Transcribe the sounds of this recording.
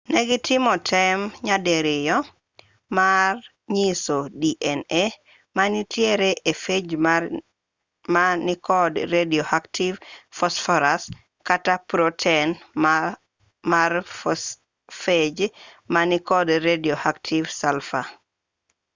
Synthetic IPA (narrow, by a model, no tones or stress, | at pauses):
neɡitʰimɔtʰɛmɲadeɾijɔ | mar | ɲisodiʔɛne | manitjeɾeʔefe | manikɔdɾediohaktʰivfɔsfɔɾas | katapɾotʰen | maɾ | fed͡ʒmanikɔdɾediohaktʰivsalfa̰